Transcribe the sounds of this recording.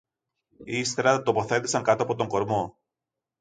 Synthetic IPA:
ist̪e̞ɾɐt̪o̞po̞θe̞t̪isɐŋkɐt̪oɐpo̞t̪oŋɡo̞ɾmo̞

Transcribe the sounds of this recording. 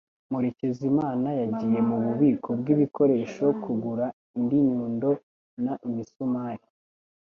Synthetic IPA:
muɾe̞ce̞zimaːnajaɟiːje̞muβuβiːkʰo̞b̚ɡiβiko̞ɾe̞ːʃo̞kʰuɡuɾa | indiɲuːndo̞ | naʔimisumaːɾi

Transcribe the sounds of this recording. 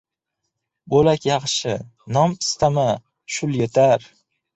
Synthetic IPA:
bolakʲjɑχʃɪnɒmɪst̪ʰama | ʃʊljet̪ʰaɾ

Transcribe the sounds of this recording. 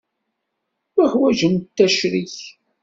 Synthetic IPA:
ħwæʒənt̪ːæʃɾiç

